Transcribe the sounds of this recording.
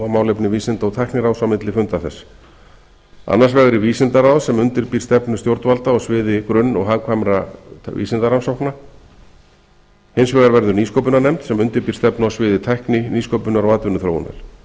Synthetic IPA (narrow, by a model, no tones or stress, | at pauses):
amaːwlejpnɪviːsɪnt̪aɔwt̪ʰahknɪɾaːwsawmɪt̪lɪfʏmt̪aθɛs | a̰nːaɾsvɛɣɾɪviːsɪnt̪aɾaːwðsɛmʏnt̪ɪɾpiːɾ̥st̪ɛpnʏst̪jowɾt̪valt̪aɔsvɪːðɪkɾʏnːɔ̰ɣɦaðkʰvamɾavḭːsɪnt̪aɾansawhkna | hejnsvɛːɣaɾvɛɾðʏniːskowp̬ʏnaɾnɛmt̪sɛmʏnt̪ɪɾpiːɾ̥st̪ɛpnawsvɪːðɪt̪ʰahknɪniːskowpʏnaɾawaːt̪vʏnʏθɾo̰wna̰ɾ̥